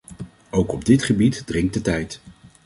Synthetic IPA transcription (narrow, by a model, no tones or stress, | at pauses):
owkɔb̚dɪtχəbitdrɪŋk̚tdətɛjt